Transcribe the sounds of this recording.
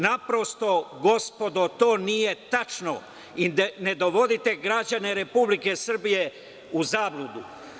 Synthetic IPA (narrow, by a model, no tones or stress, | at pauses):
napɾo̞st̪o̞ɡo̞spo̞d̪o̞t̪o̞ːnije̞t̪at͡ʃno̰ | ined̪oʋo̞d̪it̪e̞ɡɾad͡ʑane̞ɾe̞publike̞sr̩bije̞ | uzaːblud̪u